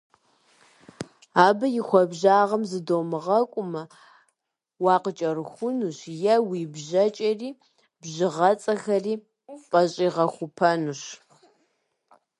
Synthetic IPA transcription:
aːbɐjɪxʷɔbʑaːʁɐmzɨdowmɨʁɐkʷʼʊmɐ | wɑːqət͡ʃʼɐrxʷʊnuɕjɛwiːbʑɐt͡ʃʼɐriː | bʑɨʁɐt͡sʼɐxɐriː | pʼɐɕʼiːʁɐxʷʊpʰɐnuɕ

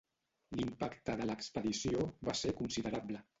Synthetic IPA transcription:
limpakt̪əðələːkspəðisioβasekunsiðəɾablə

